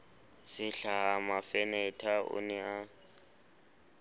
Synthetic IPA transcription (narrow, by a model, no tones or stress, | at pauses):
sɪɬaɦamafɛnɛtʰaʔʊ̰nɛa